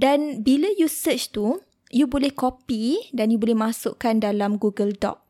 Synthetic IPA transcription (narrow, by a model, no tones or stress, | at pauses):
danbilajusət͡ʃt̪u | jubolɛhkopidanjubolɛhmasʊ̰ʔkandalamɡuɡəldɔ̰p̚